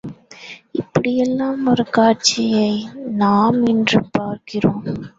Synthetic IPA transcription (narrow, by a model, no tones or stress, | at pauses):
ɪpːɐɽijɛlːãːmɐɾkaːɾt͡ʃijɐjnaːmɪndrɯpːaːɾkɪɾõː